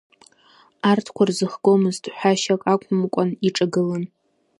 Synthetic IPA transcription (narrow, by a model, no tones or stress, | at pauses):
artʰkʷʰarzɨχɡomɨztʰʼħʷᶣaʃakʼakʷʰʼʊmkʷʼaniʈ͡ʂʼaɡɨlan